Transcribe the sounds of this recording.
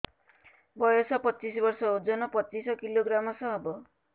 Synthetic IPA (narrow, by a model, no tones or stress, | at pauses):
bɔjɔsɔpɔt͡ʃis̬bɔɾsɔud͡zɔnɔpɔt͡ʃisɔkiloɡɾamɔsʌ̃ɦɔbɔ